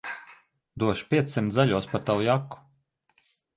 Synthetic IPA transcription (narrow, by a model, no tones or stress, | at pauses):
d̪uɔʃpʲiɛt̪ssʲimt̪zaʎʲuɔspaɾt̪awjakːu̥